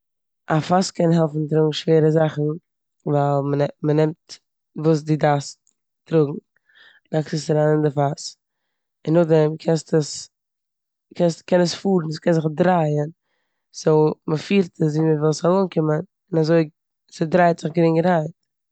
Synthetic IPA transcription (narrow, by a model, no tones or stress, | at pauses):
ʔafaskɛnɦɛlˠfn̩tɾʊɡŋ̩ʃveːɾəzaχn̩ | valˠməɛmənɛmt | vuːs̬dɪdas | tɾʊɡŋ̩ | naksɪsɾanɪndɪfas | ɪnːʊχdɛmkʰɛnstəs | kʰɛnskɛnəsfuːɾn̩skɛnzɪχdɾaɪən | soʊməfiːɾtəs̬viːməvɪlˠsalˠoːnkɪmən | ɪnazoɪ | sɪdɾaɪtz̥ɪχɡɾɪŋɡəɾhaɪt